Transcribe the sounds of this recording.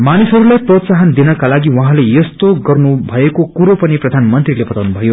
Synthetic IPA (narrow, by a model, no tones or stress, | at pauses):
manisɦʌɾulajprʌt̪saɦʌnd̪inʌkalaɡiwʌɦãlejʌst̪oɡʌrnubʱʌekokuɾopʌniprʌd̪ʱanmʌnt̪rilebʌt̪awnubʱʌjo